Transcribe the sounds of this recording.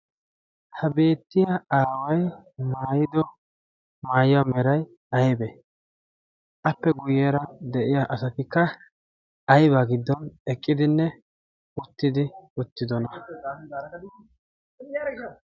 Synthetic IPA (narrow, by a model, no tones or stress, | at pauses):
hɐbe̞ːt̪ːɪjɐaːwɐjmaːjɪd̪ɔ | maːjɪwamɛɾɐj | ɐjbɛ | ʔɐpːɛɡʊjɛːɾɐd̪ɛʔɪjaʔɐsɐt̪ɪkːɐ | ɐjbaɡɪd̪ːɔnɛkʼːɪd̪ɪnːɛ | ʊt̪ːɪd̪ɪʊt̪ːɪd̪ɔnɐ